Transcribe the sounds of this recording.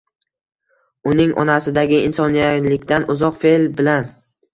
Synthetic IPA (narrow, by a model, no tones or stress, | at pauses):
ʊnɪŋʔɒ̰nasɪd̪aɡʲɪɪnsɒnijaɾlɪkʲt̪anʔʊzɒqfe̞lbɪlan